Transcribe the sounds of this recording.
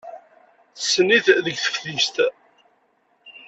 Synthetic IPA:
θəsːəniθðəɡθə̥fθist̪

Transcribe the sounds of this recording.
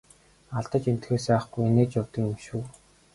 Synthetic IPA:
aɮt̪ə̆t͡ɕem̥t̪xeːsæːχɡujeneːt͡ɕjawt̪ə̆kmʃuː

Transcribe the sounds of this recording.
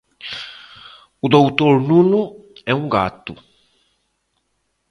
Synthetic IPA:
ud̪owt̪oɾnũnuɛũŋɡa̰t̪u

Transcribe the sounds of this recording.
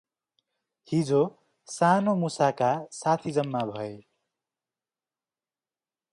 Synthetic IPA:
hid͡zo | sanomusakasat̪ʰid͡zʌmːabʱʌe

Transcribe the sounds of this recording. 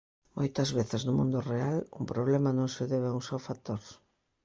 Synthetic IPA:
mojt̪ɐzβeθɪznʊmũnd̪ʊrealṵŋpɾoβ̞lɛmɐnõŋseðɛβauŋsawfat̪oɾ

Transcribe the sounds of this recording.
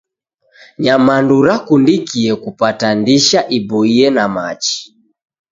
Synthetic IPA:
ɲamanduɾakundikiɛkupatandiʃaʔibɔiɛnama̰t͡ʃi̥

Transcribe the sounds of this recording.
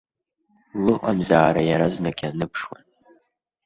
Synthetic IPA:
lɨqʼamzaːɾajaɾaznakʲʼanɨpʰʂwa̰n

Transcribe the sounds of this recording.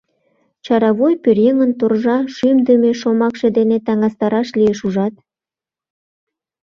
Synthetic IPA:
t͡ɕɑɾɑβojpøɾeŋənt̪orʒɑʃymd̪əmeʃomɑkʃed̪enet̪ɑŋɑst̪ɑɾɑʃlieʃuʒɑt̪

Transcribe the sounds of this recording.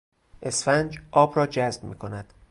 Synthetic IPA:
ʔe̞sfænd͡ʒʔɒːbɾɒːd͡ʒæzb̥̚miːkʰo̞næd̪̥

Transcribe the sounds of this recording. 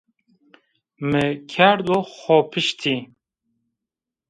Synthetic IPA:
mɨkʰæɾd̪oxɔpʰɨʃt̪ʰi

